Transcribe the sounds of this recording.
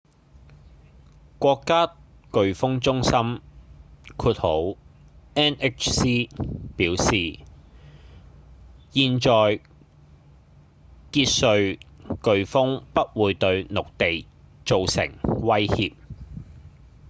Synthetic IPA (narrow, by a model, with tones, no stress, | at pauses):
kʷɔː˧kːaː˥ | kɵ˨ɥfʊ˥ŋt͡sʊ˥ŋsɐ˥m | kʰuː˧t̚ho˨˥w | ɛː˥nɛ˥k̚t͡ʃsiː˥piː˨˥wsiː˨ | jiː˧nt͡ʃɔː˨j | kiː˧t̚sɵ˧ɥkɵ˨˧ɥfʊ˥ŋpɐ˥t̚wuː˨˧jt̪ɵ˧ɥnʊ˨k̚t̪e˨j | t͡ʃo˨wsɪ̰˨˩ŋwɐ˥jhiː˧p̚